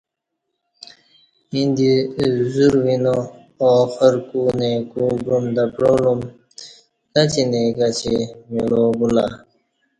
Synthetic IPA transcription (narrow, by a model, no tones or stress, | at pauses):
ind̪izuɾwinoː | xəɾkunekuɡɾumd̪apɾolum | t̪at͡ɕineɡat͡ɕimiloːɡula